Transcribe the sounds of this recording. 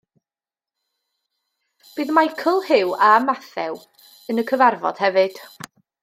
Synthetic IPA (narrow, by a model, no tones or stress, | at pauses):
b̥ɨːðmajkʰəlˠhɪwamaθɛw | ənəkʰəvarvɔ̰d̥hɛvɨd̥